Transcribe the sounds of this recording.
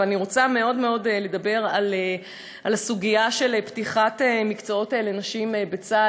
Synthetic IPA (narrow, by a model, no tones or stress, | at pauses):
aniʁo̞t͡same̞o̞dme̞o̞dle̞d̪abe̞ʁale | ʔalasuɡiaʃeleptiχatemikt͡so̞o̞telenaʃimebet͡sa